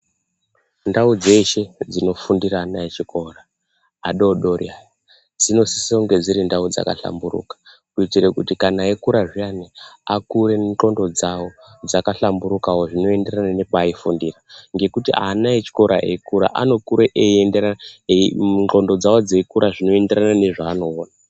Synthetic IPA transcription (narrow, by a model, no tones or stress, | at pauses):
ndaud͡ze̞ʃe̞d͡zino̞fundiɾaːnaet͡ʃiko̞raː | ɗo̞ɗo̞rja | d͡zino̞si̥sioŋɡe̞d͡ziɾindaud͡za̰ka̰ɬa̰mburṵkḁkuitirekutikanaekuɾaʐianeakuɾe̞t͡ɬo̞ndo̞d͡zawo̞d͡zakaɬambuɾukawo̞ʐino̞e̞nde̞ranane̞paːifundiraŋɡe̞kutiʔa̰naet͡ʃi̥ko̞ɾa̰ekuɾa̰ʔa̰no̞kuɾeʔeendea | nt͡ɬo̞ndo̞d͡zawo̞d͡zeikuɾaʐino̞e̞nde̞ɾanane̞ʐaːno̞ːna